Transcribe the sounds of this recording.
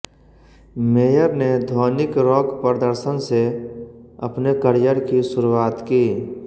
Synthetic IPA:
meːjəɾned̪ʱɔːnɪkɾɔːkpɾəd̪əɾsənse | ɐpnekəɾɪjəɾkisʊɾuwaːt̪kiː

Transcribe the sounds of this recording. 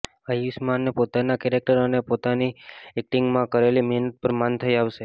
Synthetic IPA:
ajusmanːepot̪anakɛɾek̚ʈəɾənepot̪aniɛk̚ʈɪŋɡmãkəɾelimɛɦnət̪̚pəɾmant̪ʰəiaʋʃe

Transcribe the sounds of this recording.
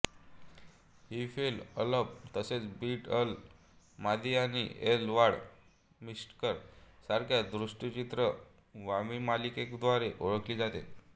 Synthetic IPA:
hifelələp̚t̪əset͡sbiːʈəl | mad̪ianiʔelʋaɽ | misʈkəɾsaɾkʰjad̪ɾuʂʈit͡ɕit̪ɾə | ʋamimalikekd̪ʋaɾeʔoɭəkliːd͡zat̪ḛ

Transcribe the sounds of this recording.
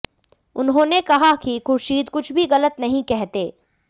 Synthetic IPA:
ʊnɦõːnekɐɦakixʊɾʃiːd̪kʊt͡ʃʰbʱiɣɐlət̪nɐɦĩkɛɦt̪eː

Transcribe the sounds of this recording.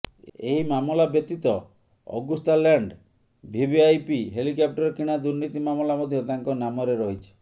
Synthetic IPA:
eɦimamɔlabjɔt̪it̪ɔ | ɔ̰ɡust̪alaɳɖ | bʱibiajpiɦelikap̚ʈɔɾkiɽ̃ad̪uɾnit̪imamɔlamɔd̪ʱjɔt̪aŋkɔnamɔɾeɾɔɦit͡ʃʰi̥

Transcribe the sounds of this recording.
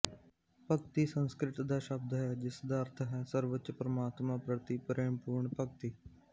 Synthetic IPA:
pəkt̪iːsə̃nskɾɪʈd̪aːʃəb̚d̪ɦɛːd͡ʒɪsd̪aːəɾt̪ʰɦɛːsəɾʋətt͡ʃpɾəmaːt̪mãːpɾət̪iːpəɾeːmpuːɾɳpək̚t̪iː

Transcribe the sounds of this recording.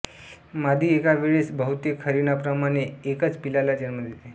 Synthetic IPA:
mad̪ʱiekaʋeɭesbəɦut̪ikʰəɾinapɾəmaɽ̃eːkət͡spilalad͡ʑənməd̪ʱjet̪e

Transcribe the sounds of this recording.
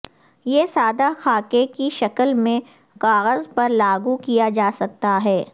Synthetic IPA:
jeːsaːd̪axaːkekiʃɐkəlmẽ | kaːɣəzpɐɾlaːɡukijad͡ʒaːsɐk̚t̪aɦɛː

